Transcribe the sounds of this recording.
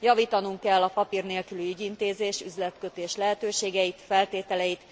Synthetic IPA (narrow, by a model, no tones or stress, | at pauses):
jɒviːt̪ɒnuŋkɛlːɒpɒpirneːlkylyyɟint̪eːzeːʃyzlɛt̪kø̞t̪eːʃlɛɦɛt̪øːʃeːɡɛjit̪fɛlt̪eːt̪ɛlɛjit̪